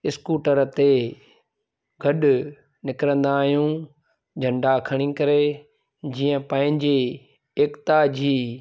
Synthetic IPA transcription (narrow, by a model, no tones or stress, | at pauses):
ɪskuːʈəɾt̪e | ɡʱɐɗʊ | nɪkɾə̃nd̪aːɦijũ | d͡ʑʱɐ̃ɳɖakʰɐɽ̃ĩkɐɾe | d͡ʑiːə̃pɐ̃ɦɪ̃ɲd͡ʑeː | kt̪ad͡ʑʱiː